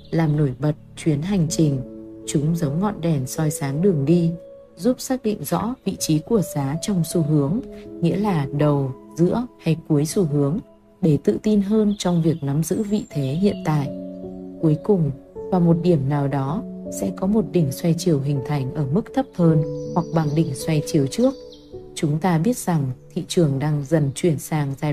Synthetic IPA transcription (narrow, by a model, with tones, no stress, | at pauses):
laː˨˩mno˧˩jɓə˨˩t̚t͡ɕwi˨˦ənɦa˨˩jŋ̟t͡ɕï˨˩ŋ̟t͡ɕʊ˨˦ŋ͡mzə˨˦wŋ͡mŋɔ̰˧˨nɗɛ˧˩nsɔ˧jsaː˨˦ŋɗɨ˨˩əŋɗi˧ | zu˦˥p̚saː˦˥k̚ɗḭ˧˨ŋ̟zɔ̰˧˥vḭ˧˨t͡ɕi˨˦ku˧˩əzaː˨˦t͡ɕɔ˧wŋ͡msu˧˩ɦɨ˨˦əŋŋḭ˧˥əlaː˨˩ɗə˨˩wzɨ̰˧˥əha˧jku˨˦əjsu˧˩ɦɨ˨˦əŋ | ɗe˧˩t̪ɨ̰˧˨t̪i˧nɦəː˧nt͡ɕɔ˧wŋ͡mvi˨˩ək̚na˨˦mzɨ̰˧˥vḭ˧˨t̪ʰe˨˦ɦḭ˧˨ənt̪a̰ː˧˨jʔku˨˦əjkʊ˨˩ŋ͡mvaː˨˩mo˨˩t̚ɗi˧˩əmnaː˨˩wɗɔ˨˦sɛ̰˧˥kɔ˨˦mo˨˩t̚ɗï˧˩ŋ̟swa˧jt͡ɕi˨˧˩əwɦï˨˩ŋ̟t̪ʰa˨˧˩jŋ̟ʔəː˧˩mɨ˦˥k̚t̪ʰə˦˥p̚həː˧nhwa˨˩k̚ɓa˨˩ŋɗï˧˩ŋ̟swa˧jt͡ɕi˨˩əwt͡ɕɨ˦˥ək̚ | t͡ɕʊ˨˦ŋ͡mt̪aː˧ɓi˦˥ət̚z̥a˨˩ŋt̪ʰḭ˧˨t͡ɕɨ˨˩əŋɗaː˧ŋzə˨˩nt͡ɕwi˧˩ənsaː˧ŋzaː˧